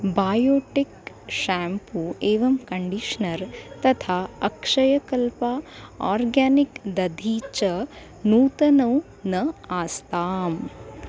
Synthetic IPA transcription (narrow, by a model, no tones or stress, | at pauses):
baːjoːʈik | ʃaːmpueːʋɐmkɐɳɖiʂnɐɾt̪ɐt̪ʰaːɐkʂɐjɐkɐlpaaːɾɡaːnikd̪ɐd̪ʱiːt͡ʃɐ | nuːt̪ɐnɐw | nɐaːst̪aːm